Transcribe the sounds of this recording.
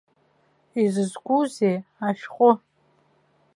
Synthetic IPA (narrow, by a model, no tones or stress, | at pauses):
izɨzɡʷuzeaʃqʷʼʊ